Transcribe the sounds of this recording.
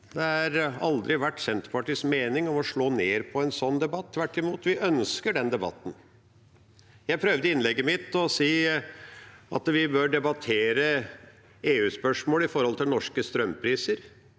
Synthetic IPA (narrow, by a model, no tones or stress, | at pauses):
d̪ɛæɾɑld̪ɾɪʋæʈːsɛnt̪pʰɑʈiːsmeːnɪŋɔmɔʂɭoːneːɾpʰɔɛnsɔnːd̪ɛbɑt̪ʰːʋæʈːɪmuːt̪ʋɪʔœnskəɖɛnd̪ɛbɑ̰t̪ːən | jæɪpʰɾœʋd̪əɪnlɛɡːəmɪt̪ːɔsiː | ɑ̰t̪ʋɪbøːɖɛbɑt̪ʰeːɾə | eːʉːspœʂmoːlɪfɔɾhɔlt̪ʰɪlnɔʂkəst̪ɾœmpʰɾiːsəɾ